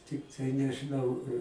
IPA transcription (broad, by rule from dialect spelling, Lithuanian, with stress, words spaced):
ˈtʲɪktɐɪ nʲɛʒʲɪˈnɐʊ